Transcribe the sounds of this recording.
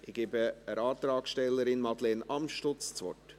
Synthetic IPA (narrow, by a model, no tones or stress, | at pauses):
ʔɪɡ̥eːbəəɾɑːt̪ɾɑːksʃtɛlːəɾɪnmɑd̪lenɑmʃtʊt͡st͡sʋɔ̰t